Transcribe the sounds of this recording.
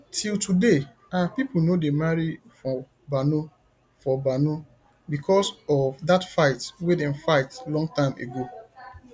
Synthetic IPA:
tʰiltʰude | apip̩nodemaɹi | fɔ̃ | bano | fɔbano | bikʰɔsɔvdatfaɪtwedɛ̃nfaɪtlɔ̃ŋɡ̚tãɪ̃mḛɡo

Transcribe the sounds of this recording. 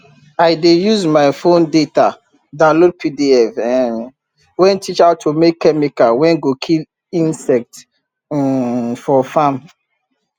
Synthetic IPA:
aɪdejuzmaɪfõndeta | dalod̚pʰidiɛfɛ | wɛ̃ntʰit͡ʃaʊtʰːumekːɛmikawɛ̃nɡokʰil | ĩnsɛk̚t | fɔfãm

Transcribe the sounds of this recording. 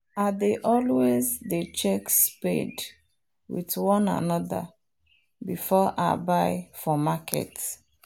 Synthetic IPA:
adeʔɔlwezdet͡ʃɛkspḛd | wḭðwɔ̃na̰nɔða̰ | bifɔʔa̰baɪfɔmakʰɛ̰t

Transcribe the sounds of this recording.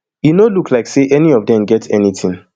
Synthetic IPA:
jinoluklaɪkseʔɛniɔvdɛ̃mɡɛtʰɛ̰nitʰĩŋ

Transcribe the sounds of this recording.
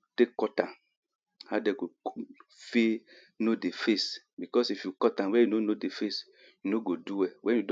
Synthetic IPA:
tekːɔtã | hadɛɡo | fe | nodefesbikɔsifjukɔtãwɛjunonodefes | junoɡoduwɛwʔɛ̃njud

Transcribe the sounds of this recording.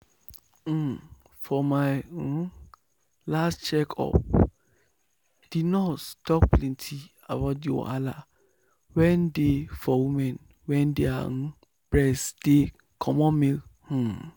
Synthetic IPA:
fɔmaɪ | lastt͡ʃɛkʰɔ̰p | d̥idnɔtstʰɔkplɛ̃ntʰi | abaʊtjɔ̰ʔala | wɛ̃ndefɔwimɛ̃n | wɛ̃ndea̰n̩ | b̥ɹɛsd̥e | kʰɔ̃mɔ̃meh̩

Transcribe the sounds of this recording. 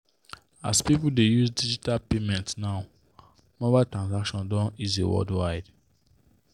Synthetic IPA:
a̰spipuldejuzdid͡ʒitalpemɛ̃ntnaʊ | mɔbatɹãnsakʃɔ̃ndɔ̃nizḛwɔ̰ldwaɪd

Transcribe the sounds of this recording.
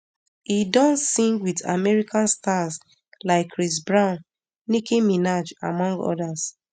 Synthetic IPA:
idɔ̃nsĩŋɡwida̰mɛɹikʰãnstas | laɪkʰːɹis̬bɹãʊ̃nː | ikĩminad͡ʒa̰mɔ̃ŋɡɔ̰das

